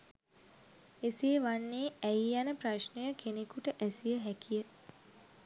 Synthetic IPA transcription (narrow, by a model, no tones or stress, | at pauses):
esiʋanːeːæjjanəpraʃnəjəkʰenekuʈəʔæsijəɦækijə